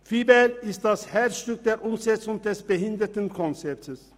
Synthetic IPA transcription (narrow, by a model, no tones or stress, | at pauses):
fiːbɛlɪst̚d̥ashɛʃtʏk̚d̥eːɾʔʊmzɛt͡sʊŋdɛsb̥əhɪnd̪ətən̩kʰɔnt͡sɛtʰəs